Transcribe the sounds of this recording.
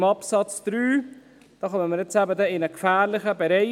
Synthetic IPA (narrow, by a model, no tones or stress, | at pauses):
mɑpsɑt͡sd̪̥ɾyː | d̥ɑːχœməməɾjɛt͡sæbədɛɪnəkfæːɾlɪχəbɛɾɛɪ